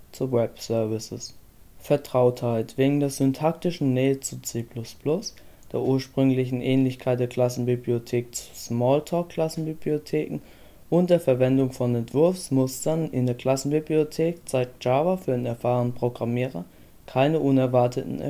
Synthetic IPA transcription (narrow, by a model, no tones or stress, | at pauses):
t͡suwɛpsœɐvɪsəs | fɛɐtʁ̥aʊthaɪtv̥eːɡŋ̩deːɐzʏntʰak̚tɪʃn̩nɛːət͡sut͡seːplʊspʰlʊsd̥eːɐʔuːɐʃpʁ̥ʏŋlɪçn̩ʔɛːnlɪçkʰaɪt̚d̥eːɐkʰl̥asn̩bibliotʰeːk̚t͡su̥smɔːltʰɔːkʰːl̥asn̩bibliotʰeːkŋ̩ | ʔʊnt̚d̥eːɐfɛɐvɛndʊŋfɔnɛntv̥ʊɐfsmʊstɐnɪndeːɐkl̥asn̩bibliotʰeːkt͡saɪk̚t̚d͡ʒ̥aːvafyːɐdenɛɐfaːʁənpʁ̥oɡʁamiːʁɐ̰ | kʰaɪnəʔʊnɛɐvaɐtʰətn̩̰